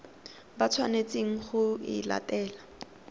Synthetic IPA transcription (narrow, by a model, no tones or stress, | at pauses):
bat͡sʰwanet͡sʼeŋ̩χʊɪ̰la̰tɛːla